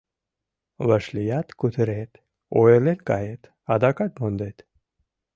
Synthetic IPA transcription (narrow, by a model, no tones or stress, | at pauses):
ʋəʂlijat̪kut̪ʰɾet̪ | ojeɾlet̪kajet̪ | ad̪akat̪mond̪et̪